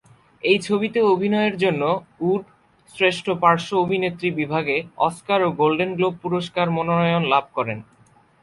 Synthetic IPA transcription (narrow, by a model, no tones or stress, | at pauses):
ejt͡ɕʰobit̪eobʱinɔeeɾd͡ʑonːouɖ | sɾeʃʈʰopaɾʃoobʱinet̪ːɾibibʱaɡeɔ̰skaɾoɡolɖenɡlob̚puɾoʃkaɾmononɔjonlab̚ʱkɔɾen